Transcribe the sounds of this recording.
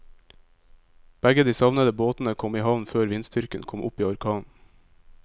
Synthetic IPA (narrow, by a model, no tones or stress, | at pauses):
b̥æɡəd̪iːsɑʋnəd̪əboːt̪n̩əkʰɔmiːhɑʋnføːɾʋɪnst̪ʏɾkənkʰɔmʔʊ̰piːɔɾkʰɑːn